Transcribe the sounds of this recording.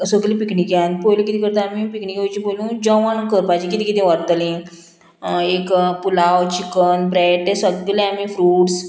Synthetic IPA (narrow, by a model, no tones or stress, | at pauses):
səɡlĩpikɳikjãnpojlũkit̪ikəɾt̪aamipikɳikojt͡ɕĩpojlũd͡ʑɔ̃ʋankəɾpad͡ʑĩkit̪ikit̪ĩʋəɾt̪əlĩ | ekpulawt͡ɕikənbɾɛʈesəɡleamifɾuːʈs